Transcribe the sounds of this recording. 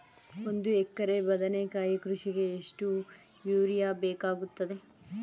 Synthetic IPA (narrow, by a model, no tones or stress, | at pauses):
ond̪uekːɐɾebɐd̪ɐnekaːjikɾuʃiɡe̞ːʂʈu | jjuːɾijaːbeːkaːɡut̪ːɐd̪e̞